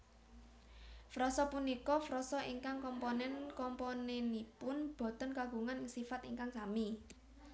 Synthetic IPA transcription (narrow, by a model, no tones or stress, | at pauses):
fɾɔsɔpunikɔfɾɔsɔʔiŋkaŋkɔmpɔnɛnkɔmponɛnipʊnb̥ɔ̤t̪ɔnkaɡ̥ṳŋanɪŋsifat̪iŋkaŋsami